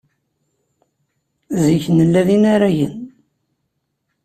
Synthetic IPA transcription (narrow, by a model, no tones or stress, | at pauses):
ziçnəlːæðinaɾæjə̰n